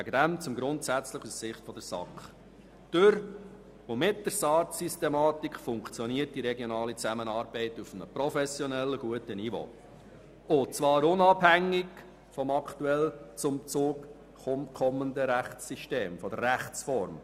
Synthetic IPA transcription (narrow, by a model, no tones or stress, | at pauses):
ʋæɡədæmt͡sʊmɡɾʊntsæt͡sləχussɪχtfɔd̥̪əɾsɑ̰kχ | d̥øɾ | omɪt̚d̥əɾsɑːɾtsistɛmɑːtikfʊŋkt͡sjɔniərt̚d̥iɾɛɡjɔnɑːlit͡sæmənɑːɾbɛɪtufənəpɾɔfɛsjɔnɛlːəɡuətənivo̰ː | ot͡svɑːɾʊnɑbhæŋːɪɡ | fɔmɑkt̪uɛlt͡sʊmt͡suːk | χʊmkʰɔmənd̪əɾæχt͡sːiʃteːmfɔdərːæχt͡sfɔɾm